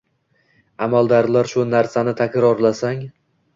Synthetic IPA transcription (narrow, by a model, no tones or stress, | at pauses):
amalˠd̪aɾlaɾʃʊnaɾsanɪt̪ʰakʲɾɒɾlasaŋ